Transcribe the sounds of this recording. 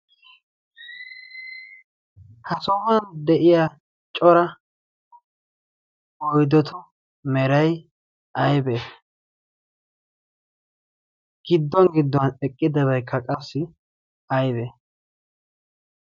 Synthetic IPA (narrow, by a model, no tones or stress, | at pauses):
hɐsɔmɐnd̪ɛʔɪja | t͡ʃʼɔɾɐ | ɔjd̪ɔt̪ʰɔ | mɛɾɐj | ɐjbɛ | ɡ̥ɪd̪ːɔŋɡɪd̪ːɔnɛkʼːɪd̪ɐβɐjkʰːɐkʼɐsːɪ | ɐjbɛ